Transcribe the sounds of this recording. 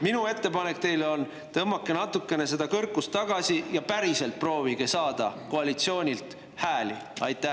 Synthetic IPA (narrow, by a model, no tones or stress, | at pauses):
minue̞t̪ːe̞pɑne̞k̚ˑt̪e̞jlo̞n | t̪ɤmːɑkːˑe̞nɑt̪ːukːˑe̞ne̞se̞d̪ɑkɤrkːˑust̪ːɑɡ̥ɑsʲijɑpæɾise̞lt̪̚pro̞ːviɡ̥e̞sɑːd̪̥ɑ̰ko̞ɑlit̪sio̞ːnʲilt̪ | hæːliɑ̰jt̪ːˑæ